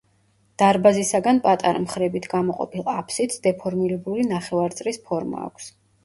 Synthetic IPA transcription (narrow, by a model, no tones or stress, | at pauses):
d̪̥aɾbazisaɡanpʼat̪ʼa̰ɾa̰mχɾɛbit̪ʰɡamɔqʼɔ̰pʰilˠapʰsit̪sd̪ɛpʰɔɾmilɛbulinaχɛvaɾt̪sʼlispʰɔɾma̰ːkʷʰs